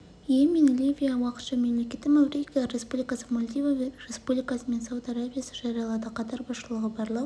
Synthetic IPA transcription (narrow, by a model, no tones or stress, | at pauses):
jemenlʲivʲijawɑqə̥t̪ʃɑme̞mlekʲe̞t̪ːɪmæwɾejkaɾe̞spublʲijkasə̥molʲd̪ivavre̞spublʲijkasəme̞nsawd̪aɾabʲijasəʒɑɾijɑlˠɑd̪əqʰɑt̪ɑɾbɑsʃəlˠəʁəbɑɾlˠɑ